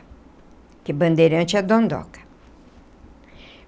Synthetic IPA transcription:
kɪbɐ̃nd̪eɾɐ̃t͡ʃɪɐd̪õnd̪ɔ̰kɐ̥

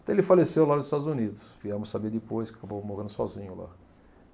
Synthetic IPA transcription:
t̪ɛ̃elɪfalesewlanʊzɪst̪ad̪ʊzunid̪ʊsviɛmʊsabeɾd̪ɪpojskɪḁkabowmohɐ̃nd̪sɔzĩɲʊla̰

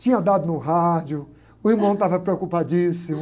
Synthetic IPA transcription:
t͡ʃĩɲɐd̪ad̪ʊnʊɦad͡ʒjʊ | ʊiɾmɐ̃w̃t̪avɐpɾeokupad͡ʒisĩmʊ

